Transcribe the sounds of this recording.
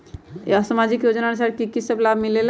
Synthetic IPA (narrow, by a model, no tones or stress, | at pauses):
əsamad͡ʒikjod͡ʒnaɾsaɾkikisəblabʱmilel